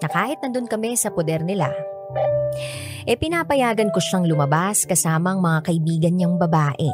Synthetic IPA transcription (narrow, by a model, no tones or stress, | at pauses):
nɐkaːhɪt̪nɐnd̪onkɐmɛsɐpod̪ɛɾnɪla̰ | ʔɛpɪnapɐjaːɡɐnko̞ʃaŋlʊmɐbaskɐsaːmɐɐŋmɐŋakɐʔɪbiːɡɐnɲɐŋbɐbaːʔɛ̰